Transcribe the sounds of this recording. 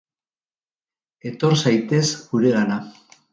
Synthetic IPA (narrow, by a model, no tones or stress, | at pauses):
e̞t̪o̞ɾsajt̪e̞zɡuɾe̞ɣana